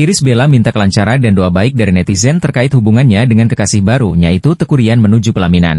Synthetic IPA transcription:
ʔiɾɪsbelamint̪akəlaɲt͡ʃaɾadandoabaɪk̚daɾinɛt̪izɛnt̪ərkaɪt̪̚hubuŋanɲadəŋankəkasɪhbaɾujait̪ut̪əkuɾianmənud͡ʒupəlamina̰n

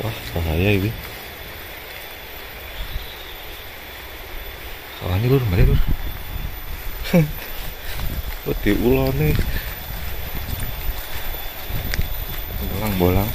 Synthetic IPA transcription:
wahsaɦajaiwi | sa̰lahɲilʊrmaɾilʊr | wod̪̥i̤ʔulɔne | mbolaŋmbolaŋ

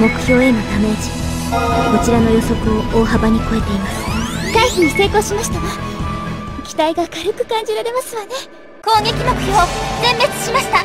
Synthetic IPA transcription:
mo̞kɯ̟̥çʲo̞ːe̞no̞t̪ame̞ʑi̥ | ko̞t͡ɕiɾano̞jo̞so̞kɯ̟o̞oːɦabaɲ̟iko̞e̞t̪e̞imasɨ̥ɡ̥aisiɲ̟ise̞ːko̞ːɕimaɕi̥t̪aɡa | kʲi̥t̪aiɡakaɾɯ̟kɯ̟̥kãɲ̟d͡ʑiɾaɾe̞masɨβane̞ | ko̞ːŋe̞kʲimo̞kɯ̟̥çʲo̞ːz̥ẽ̞mːe̞t͡sɨ̥ɕimaɕi̥t̪a

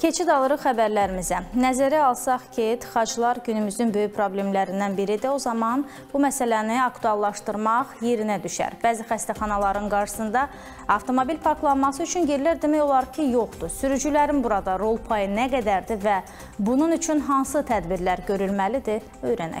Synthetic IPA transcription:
cʰe̞t͡ʃʰid̪ɑlˠɯɾɯʁxæbæɾlæɾimizænæzæɾæɑlˠsɑχcʰit̪χɑd͡ʒlˠɑɾɟynymyzynbø̞jypʰɾo̞blʲe̞mlæɾind̪ænbiɾid̪io̞zɑmɑn | b̥umæsælæniɑkt̪uɑlˠːɑʃt̪ɯɾmɑʁje̞ɾinæd̪yʃæ̰ɾbæːzixæst̪æχɑnɑlˠɑɾɯnɡɑɾʃɯ̥sɯnd̪ɑ | ɑvt̪ʰo̞mo̞bilpʰɑɾklˠɑnmɑsɯyt͡ʃʰynɟeɾlæɾd̪emæjo̞lˠɑɾcʰijo̞χd̪usyɾyd͡ʒylæɾinbuɾɑd̪ɑɾo̞lˠpʰɑjɯnæɡæd̪æɾd̪ivæ | bununyt͡ʃʰynɦɑnsɯt̪ʰæd̪biɾlæɾɟø̞ɾylmælid̪i | ø̞jɾænæ̰

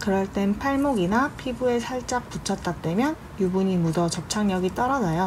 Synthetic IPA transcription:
kɯɾʌɭt͈e̞npʰaɭmoɡinapʰibue̞sʰaɭt͡ɕ͈ak̚p͈ut͡ɕʰʌt̚t͈at͈e̞mjʌn | jubuɲimudʌt͡ɕʌp̚t͡ɕʰaŋɲʌɡit͈ʌɾʌd͡ʑʌjo

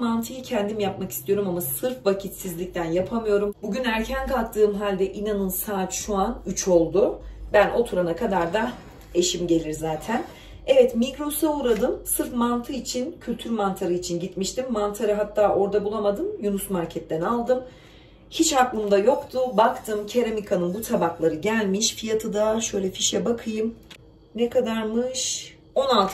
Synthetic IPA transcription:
mant̪ʰɯjɯcʰɛnd̪imjapmaki̥st̪ijo̞ɾumamasɯɾfvacʰit̪sizlʲic̚t̪ʰænjapʰamɯjo̞ɾumbuɟynæɾcʰænkʰalˠk̚t̪ʰɯːmɦalʲd̪ɛʔinanɯnsaːt̪ʃuanyt͡ʃʰo̞lˠd̪ubænʔo̞t̪ʰuɾanakʰad̪aɾd̪a | e̞ʃimɟe̞lʲiɾzaːt̪ʰæn | ɛvɛt̪mikɾosauɾad̪ɯmsɯɾfmant̪ʰɯit͡ʃʰincʰylʲt̪ʰyɾmant̪ʰaɾɯit͡ʃʰinɟit̪miʃt̪ʰimːant̪ʰaɾɯɦat̪ʰːaːʔo̞ɾd̪abulˠamad̪ɯmjunusmaɾcʰɛt̪̚d̪ɛnalˠd̪ɯm | hit͡ʃaklˠɯmd̪ajo̞kt̪ʰʊbakt̪ʰɯmcʰeɾamikʰanɯnbut̪ʰabaklˠaɾɯɟælʲmiʃfijat̪ʰɯd̪aʃø̞jlʲɛfiʃɛbakʰɯjɯm | nɛkʰad̪aɾmɯʃ | o̞nalˠt̪ʰ

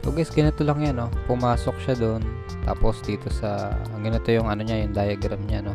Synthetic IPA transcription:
poɡɛsɡɐnɪt̪olɐŋjano̞pʊmaːso̞k̚ʃad̪on | t̪a̰ːpo̞sd̪iːt̪o̞sɐ̰ɡɪnɪt̪o̞jʊŋɐnoɲajʊŋd̪aːjɐɡɾɐmɲano̞

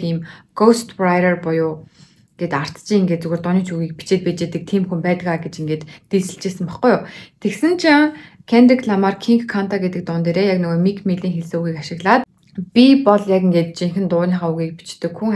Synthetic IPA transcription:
iːmɡ̥owst̪prajɾarpʊjʊː | ɡ̥et̪ar̥t͡st͡ɕiŋɡeːt̪t͡suɣɘ̆rt̪ʊniːt͡ɕuɣiːk̚pi̥t͡ɕeːt̪̚peːt͡ɕeːt̪ɘ̆k̚t̪ʰiːmxumpæːt̪ə̆kaɡet͡ɕiŋɡeːt̪ːiːsɘ̆ɬt͡ɕeːsɘ̆mpaχɡʊjʊt̪ʰeksɘ̆nt͡ɕʰaŋkʰænrikɮamaːrkʰiŋkʰːan̥t̪ʰaɡet̪ɘ̆k̚t̪ʊnt̪eːɾeːjaknʊɣoːmikʰmiɮiːŋxeɮsoːɣiːkaʃɪ̆ɣɮaːt̪ | pʲipɔɮjakiŋɡeːt̪̚t͡ɕiŋxɘ̆nt̪ʊːɮʲiːɴχaːuɣiːk̚pi̥t͡ɕt̪ɘ̆kxuŋ

